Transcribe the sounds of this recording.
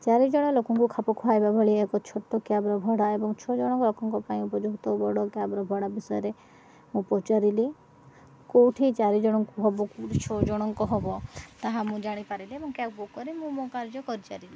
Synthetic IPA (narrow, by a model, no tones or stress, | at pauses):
t͡ʃaɾid͡ʒɔɽ̃ɔlokɔŋkukʰapɔkʰuajbabʱɔɭiekɔt͡ʃʰoʈːɔkjabɾɔbʱɔɽaebɔŋt͡ʃʰɔd͡ʒɔɽ̃ɔŋkɔlokɔŋkɔpaĩupɔd͡ʒuɡt̪ɔbɔɽɔkjabɾɔbʱɔɽabisɔjɔɾe | mũpɔt͡ʃaɾili | kowʈʰit͡ʃaɾid͡ʒɔɽ̃ɔŋkuɦɔbɔkuwʈit͡ʃʰɔd͡ʒɔɽ̃ɔŋkɔɦɔbɔt̪aɦamũd͡ʒaɽ̃ipaɾiliebɔŋkjabokːɔɾimũmokaɾd͡ʒɔkɔɾit͡ʃaɾili